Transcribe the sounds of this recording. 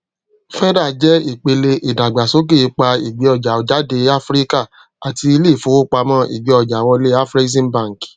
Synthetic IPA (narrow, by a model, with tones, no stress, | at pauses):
fɛ˦ɾa˦˨d͡ʒɛ˦i˦˨k͡pe˧le˧ʔi˨da˨ɡ͡ba˨so˦k̬e˦˨i˨˧˦k͡pa˧i˨ɡ͡be˨˦ɔ˧˨d͡ʒa˨o˨d͡ʒa˨˦de˧˦a˦fɾi˦ka˦˨ | a˨ti˧i˧le˦˨fo˨˦o˦k͡pa˧mã˦ʔḭ˨ɡ͡be˨˦ɔ˧˨d͡ʒa˨wɔ˧le˦a˦fɾi˦zĩ˦n˦bã˦˨ŋ˨k